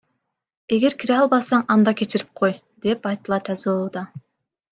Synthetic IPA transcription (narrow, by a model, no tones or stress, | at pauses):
e̞ɡe̞ɾkʲʰiɾeɑlˠbɑsɑɴɑnd̪ɑkʲe̞t͡ʃɪɾip̚qʰo̞j | d̪e̞pɑjt̪ɯlˠɑt̪ʰæzolˠud̪ɑ